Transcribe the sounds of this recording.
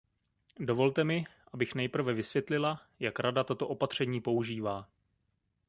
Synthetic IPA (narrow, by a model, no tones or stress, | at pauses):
do̞vo̞lt̪ɛmɪʔabɪxnɛjpr̩vɛvɪsvjɛt̪lɪla | jakɾadat̪ot̪o̞ʔo̞pat̪r̝̥ɛɲiːpo̞uʒiːvaː